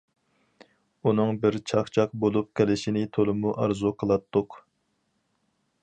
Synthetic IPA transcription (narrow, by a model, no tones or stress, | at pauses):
unɨŋbɪɾt͡ʃʰɑχt͡ʃʰɑq̚bolˠup̚kʲʰɛlɪʃinɪt̪ʰolˠɨmuʔɑɾzuqʰəlˠɑt̪ːʊq